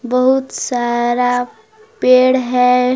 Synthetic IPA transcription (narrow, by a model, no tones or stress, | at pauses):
bəɦut̪saɾa | peɽɦɛ